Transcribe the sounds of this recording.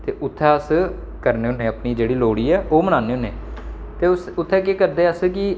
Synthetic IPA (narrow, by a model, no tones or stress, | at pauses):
t̪eːʔʊt̪ʰːɛːəs | kəɾneːʊnẽːəpɳiːd͡ʒeːɽiːloːɽiːɛːʔoːməɽ̃aːneːʊnːeː | t̪eːʊsʊt̪ʰːɛːkeːkəɾd̪eːəskɪ